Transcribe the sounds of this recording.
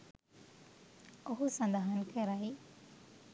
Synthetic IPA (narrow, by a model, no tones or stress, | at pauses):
oɦusɐ̃nd̪ʱaɦənkʰeɾaːɦi